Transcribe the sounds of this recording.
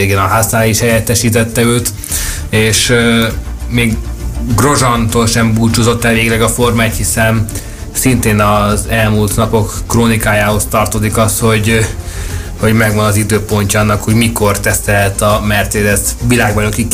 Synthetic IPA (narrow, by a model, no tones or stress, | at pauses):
eːɡeːnɒɦaːsnaːliʃhɛjɛt̪ːɛʃiːt̪ɛt̪ːɛøːt̪ | eːʃ | meːɡɡro̞ʒɒnt̪oːlʃɛmbuːt͡ʃozo̞t̪ːɛlveːɡilɛɡɒfo̞rmaːt̪hisɛn | sint̪eːnɒzɛlmult̪nɒpo̞kːroːnikaːjaːho̞st̪ɒrt̪ozikɒst̪ho̞ɟ | ho̞ɟmɛɡʋɒnɒzid̪øːpo̞ɲcɒɒnːɒkho̞ɟmiko̞rt̪ɛsɛlt̪ɒmɛrt̪seːd̪ɛt̪ʋilaːɡbɒɲoki